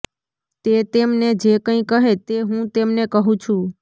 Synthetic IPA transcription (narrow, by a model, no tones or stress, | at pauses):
t̪et̪emned͡ʒekə̃ĩkəɦet̪eɦũt̪emnekəɦũt͡ʃʰũ